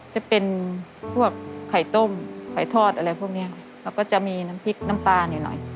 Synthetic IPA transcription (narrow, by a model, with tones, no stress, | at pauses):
t͡ɕa˨˧˩pe˧npʰu˥˩əkʰːa˨˩jt̪o˥˩mkʰa˨˩jt̪ʰɔː˥˩t̪̚ʔa˧ɾa˧jpʰu˥˩˨k̚ni˦˥ɐ˨ | kʰa˧˥˩wkɔː˥˩t͡ɕa˧˩miː˧na˦˧˥mpʰi˦˥k̚na˦˧˥mp̪aː˧niː˨˩nɔ̰˨˩˦j